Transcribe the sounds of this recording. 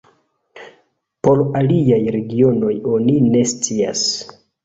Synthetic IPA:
po̞ɾaliajɾe̞ɡio̞no̞jo̞nine̞st͡sia̰s

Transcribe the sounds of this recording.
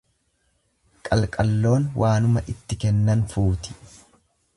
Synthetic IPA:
kʼɐlkʼɐlːo̞ːnwʔaːnʊmɐʔɪt̪ːɪkɛnːɐnfuːt̪ɪ̥

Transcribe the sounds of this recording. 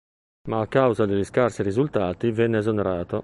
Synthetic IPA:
maːkːawzad̪eʎːiskarsiɾizult̪aːt̪ivɛnːeːzonɛɾaːt̪o

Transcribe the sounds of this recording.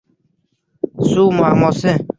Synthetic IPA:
suːmaːmose

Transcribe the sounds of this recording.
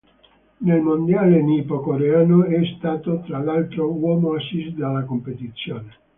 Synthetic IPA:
nelmond̪jaːlenipokoɾeaːnoɛst̪aːt̪ot̪ɾalalt̪ɾowɔːmoasisd̪alːakompet̪it̪sːjoːne

